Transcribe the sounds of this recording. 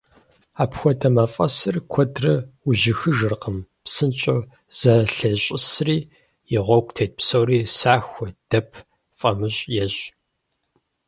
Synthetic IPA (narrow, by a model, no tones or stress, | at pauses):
aːpxʷɔdʼɐmaːfʼɐsɨrkʷʰɔdrɐuʑɪxɨʒɨrqəm | psɨnt͡ʃʼo | z̥ɐɬɐɕʼɪsriː | jɪʁʷɔkʷʰʼtʰeːt̚psowriːsaːxʷɔd̥ɐpʰ | fʼɐmɨɕʼjɛɕ